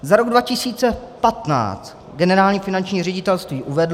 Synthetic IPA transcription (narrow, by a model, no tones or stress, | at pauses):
zaɾoɡdvacɪsiːt͡sɛpat̪na̰ːt͡st̪ | ɡɛnɛɾaːlɲiːfɪnant͡ʃɲiːrɛɟɪt̪ɛlst̪viːʔuvɛdl